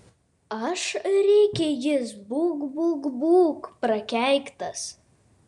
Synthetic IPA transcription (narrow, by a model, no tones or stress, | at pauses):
ɐʃɾʲɛɪkʲɛjɪsbuːɡbuːɡbuːkpɾɐkʲæˑɪkt̪ɐs